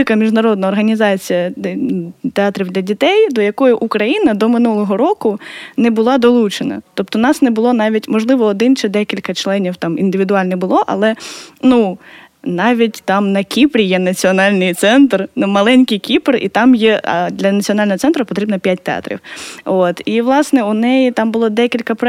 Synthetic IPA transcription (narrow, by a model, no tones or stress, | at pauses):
ɪkɐmʲiʒnɐɾɔd̪̚nɐɔrɦɐnʲizɑt͡sʲijɐ | t̪eɑt̪ɾʲiwd̪lʲɐdʲit̪ɛjd̪ɔjɐkɔjʊʔukɾɐjinɐd̪ɔmɪnulˠɔɦɔɾɔkʊnɛbʊlˠɑd̪ɔlˠut͡ʃenɐ̰t̪ɔp̚t̪ɔnɑsnɛbʊlˠɔnɑʋʲitʲmɔʒlˠɪʋɔːd̪ɪnt͡ʃɛd̪ɛkʲilʲkɐt͡ʃlˠɛnʲiwt̪ɑmḭnd̪ɪʋʲid̪ʊɑlʲnɛbʊlˠɔʔɐ̰lˠɛnu | nɑʋʲitʲt̪ɑmnɐkʲipɾʲijɛnɐt͡sʲiɔnɑlʲnɪjt̪sɛnt̪rnumɐlˠɛnʲkɪjkʲiprḭt̪ɑmjɛɐ̰d̪ʲlʲɐnɐt͡sʲiɔnɑlʲnɔɦɔt̪sɛnt̪ɾɐpɔt̪ɾʲibnɐpʲjat̚ʲt̪eɑ̰t̪ɾʲḭwot̪iʋlˠɑsnɛʊnɛjit̪ɑmbʊlˠɔd̪ɛkʲilʲkɐpɾ